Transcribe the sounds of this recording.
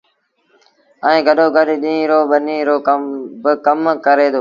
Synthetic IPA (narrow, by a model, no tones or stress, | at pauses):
əĩːɡʱəɗoːɡʱəɗɗĩːɾoːɓəniːɾoːbəkəmkəɾeːd̪oː